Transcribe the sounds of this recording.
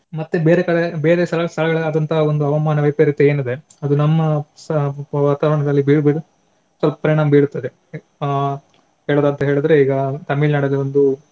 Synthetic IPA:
mɐt̪ːebeːɾekɐɽebeːɾeːst̪ʰɐlɐst̪ʰɐlɐɡɐɭaːd̪ɐnt̪ʰɐɦɐond̪uɐʋɐmaːnɐʋɐjpɐɾit̪ːeeːnid̪e̞ | ɐd̪unɐmːɐ | ʋaːt̪aːʋɐɾɐɳɐd̪ɐlːibiːɽbiɽu | sʋɐlpɐ̥pɐɾiɳaːmbiːɽut̪ːɐd̪e | ɦeːɭod̪aːnt̪ɐɦe̞ːɭid̪ɐɾe̞iːɡɐt̪ɐmilnaːɽɐlːiond̪u

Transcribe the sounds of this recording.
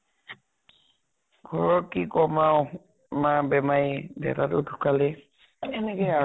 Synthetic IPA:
ɡʱɔɹɔɹkikɔmaw | mabɛmajdɛ̰tatʊdʰʱukalɛ | ɛnɛkɔja

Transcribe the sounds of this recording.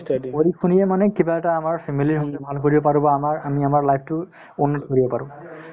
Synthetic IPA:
oɹikʰunijɛmanɛkibaɛtaːmaɹpʰɛmiliɹɔŋtubʱalkoɹibɔpaɹũbaːmaɹamiamaɹlajpʰtʊ | unːɔtkoɹibɔpaɹʊ̃

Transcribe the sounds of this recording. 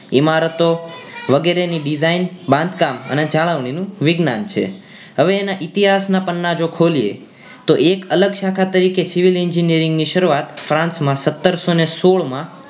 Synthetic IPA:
imaɾət̪oʋəɡeɾeniɖid͡ʒainbãnd̪kamə̰ned͡ʒaɭəʋɳinũʋɪɡnant͡ʃʰḛ | ɦəʋeːnaʔɪt̪iɦasnapənːad͡ʒokʰoliḛ | t̪oʔekələɡʃakʰat̪əɾikesɪʋilɪɲd͡ʒinijəɾɪŋɡniʃəɾuat̪fɾãnsmãsət̪ːəɾsonesoɭmã

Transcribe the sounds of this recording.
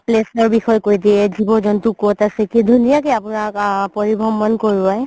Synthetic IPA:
plesɔɹbixɔjkojdiɛzibɔzɔntukotasɛkidʱunijakeapʊnakpɔɹibʱɔmːɔnkoɹuaj

